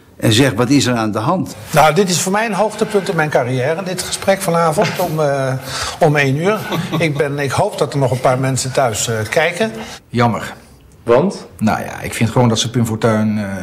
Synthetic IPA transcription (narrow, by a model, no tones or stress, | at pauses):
ʔɛnzɛχʋɔtɪsəraːndəɦɑnt | nawdɪtɪsfoːɹmɛjənɦowxtəpɵntɪnmɛjnkarijɛːɾədɪtχə̥sprɛkfɔnaːvəntɔm | ɔmejnyːɹɪk̚bɛnɪkhowpdɑtərnɔχənpaːɹmɛnsətœɥskɛjkənjɑmə̰r | ʋɑntno̰ja̰ɪ̰kfɪntχəʋoːndɔtsəpynfoːtœɥn